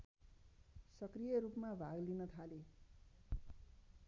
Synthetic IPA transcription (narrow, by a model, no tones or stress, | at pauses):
sʌkrijʌɾupmabʱaɡlinʌt̪ʰale